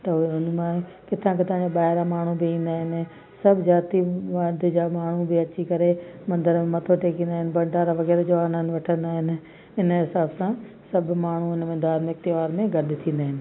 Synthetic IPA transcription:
t̪ɐɦʊnmẽ | kɪt̪ʰãkɪt̪ʰãd͡ʑaɓaːɦɪɾamaːɳ̤ubɪĩːn̆d̪aːɦɪnɪ̆ | sɐbʱd͡ʑaːt̪iʋaːd̪ʱd͡ʑaːmaːɳ̤ubɪɐt͡ɕikɐɾemɐ̃nd̪əɾmẽmɐt̪ʰoʈeːkĩnd̪aːɦɪnɪ̆bɐ̃ɳɖaɾaʋɐɣɛːɾd͡ʑonə̃nʋɐʈʰə̃nd̪aːɦɪnɪ̆ | ɪnɦɪsaːbsã | sɐbʱmaːɳ̤uɪnmẽd̪aːɾmɪkt̪ɪʋaːɾmẽɡɐɾd̪ʱɪt̪ʰĩːn̆d̪aːɦɪnɪ̆

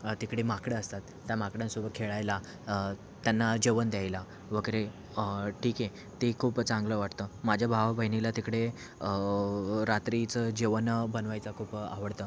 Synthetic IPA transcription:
t̪ikɽemakɽeəst̪at̪ːjamakɽjãnsubəkʰeɭajla | t̪ːjanːad͡ʑeʋənd̪jajla | ʋəɡəɾe | ʈʰiːke | t̪ekʰuːpt͡sãŋɡləʋaʈt̪əmad͡ʑʱjabʱaʋbʱəɦinilat̪ikɽe | ə | ɾat̪ɾit͡səd͡ʑeʋənbənʋajt͡sakʰuːpa̰ʋəɽt̪əː

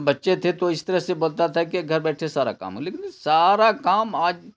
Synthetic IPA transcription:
bɐtːʃet̪ʰet̪oɪst̪əɾəɦseboːlt̪at̪ʰakiɡʱəɾbɛːʈʰesaːɾa̰ka̰ːmɦũleːkɪnsaːɾakaːmaːd͡ʒ

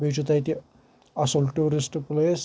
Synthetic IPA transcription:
biːt͡ʃut̪ɐjt̪i | ɐsolʈuːɾisʈples

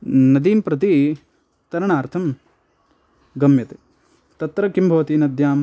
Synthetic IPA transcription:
nɐd̪iːmpɾɐt̪i | t̪ɐɾɐɳaːɾt̪ʰɐm | ɡɐmjɐt̪eː | t̪ɐt̪ɾɐkimbʱɐʋɐt̪inɐd̪ʱjaːm

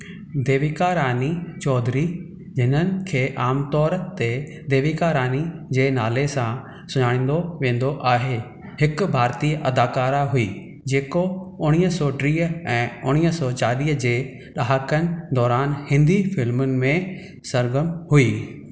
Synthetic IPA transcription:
d̪eːʋikaːɾaːnit͡ɕɔːd̪ʱɾi | d͡ʑɪn̤ənɪ̆kʰeːʔaːmt̪ɔːɾt̪e | d̪eːʋikaːɾaːnid͡ʑeːnaːlesã | sʊɲaːɽ̃ĩːn̆d̪oʋẽːn̆d̪oʔaːɦe | hɪkʊbʱaːɾt̪iːʔɐd̪aːkaːɾaɦuiː | d͡ʑeːkoʊɽ̃iːɦəsɔːʈɾiːɛ̃ːʊɽ̃iːəsɔːt͡ɕaːɗiːəd͡ʑeː | ɗaːɦəkənɪ̆d̪ɔːɾaːnhɪ̃nd̪ifɪlmʊnɪ̆mẽ | sɐɾɡəmhuiː

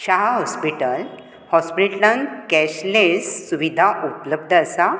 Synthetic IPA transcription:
ɕaɦaɦɔspiʈəl | hɔspɾiʈlənkɛɕlesːuʋid̪ʱaʔupləb̚d̪ʱəəsa

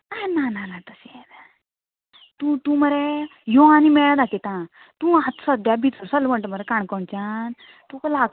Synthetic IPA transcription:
najnananat̪əɕet̪ | t̪ũt̪ũməɾejɔãnimɛɭad̪ak̪it̪ã | t̪ũat̪səd̪jabʱit͡suɾsəlməɳʈəməɾekaɳkɔɳt͡ɕan | t̪ũkla

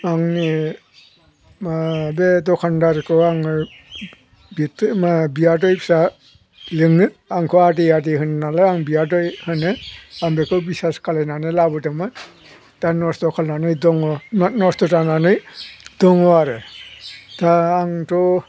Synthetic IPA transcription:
aŋni | mabedɔkʰandaɾkʰɯaŋ | bitmabiadɔjpsa | lɯŋɯ | aŋkʰɔadiadiɦɯnnalaaŋbiadɔjhɯnɯaŋbekʰɯbisaskalenanɯlabɯdɯmɯ | tanɔsdɔkʰalnanɯjdɔŋɔnnɔstɔtananɯjdɔŋɔaɾɯ | taːŋtɔ

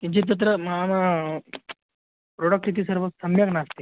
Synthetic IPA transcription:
t̪iɲt͡ɕit̪̬ət̪̬ɾəmamə | pɾoɽək̚ʈit̪̬iːsəɾʋəsəmjəɡnast̪i

